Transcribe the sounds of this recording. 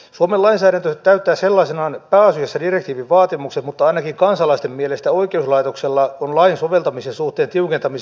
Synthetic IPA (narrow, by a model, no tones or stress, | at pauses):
suomelɑinsæːɾænt̪øt̪æyt̪ːæːselːɑisenɑːnpæːɑsyjæsːædirek̚t̪iːʋiʋʋɑːt̪imukset̪mut̪ːɑɑinɑkiŋkɑnsɑlɑist̪emmielest̪æoikeuslɑit̪okselːɑonlɑinsoʋelt̪ɑmisensuht̪ˑeːnt̪iukent̪ɑmis